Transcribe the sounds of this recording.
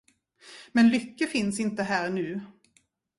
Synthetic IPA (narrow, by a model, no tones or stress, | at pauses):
mɛnlʏkːəfɪnsɪnt̪əɦæːɾnʉ̟ː